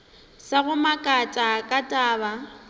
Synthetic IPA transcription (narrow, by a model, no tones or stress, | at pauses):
saɣʊmakʼatʼakʼatʼaːba